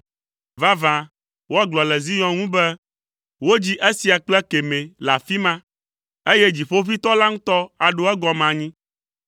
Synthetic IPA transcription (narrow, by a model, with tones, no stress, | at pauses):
va˦vã˨ | wo˦a˦ɡlɔ˨lɛ˨zi˦ɲɔ̃˦ŋũ˦bɛ˦ | wo˦d͡ʑi˦ʔe˦si˨a˨k͡plo˦ɛ˦ke˨mẽ˨la˨fi˦mã˦ | e˦je˦d͡ʑi˨ɸo˦vi˦t̪ɔ˦la˦ŋũ˦t̪ɔ˦a˨ɖo˦ɛ˦ɡɔ˨mã˨ɲĩ˦